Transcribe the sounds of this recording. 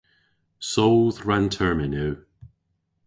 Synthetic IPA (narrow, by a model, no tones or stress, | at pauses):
soðɹantʰɛɹmɪnʉː